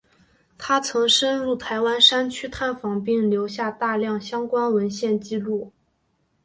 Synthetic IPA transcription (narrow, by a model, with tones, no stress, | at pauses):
t̪ʰa˥t͡sʰɤ˧˥ŋʂə˥nɻu˥˩t̪ʰa˧˥ɪwa˥nʂa˥nt͡ɕʰy˥t̪ʰa˥˩nfɑ˧˥ŋp̬i˥˩ŋljo˧˥ʊɕja˥˧t̪a˥˧ljɑ˥˩ŋɕjɑ˥ŋkwa˥nwə˧˥nɕjɛ˥˧nt͡ɕi˥˧lu˥˩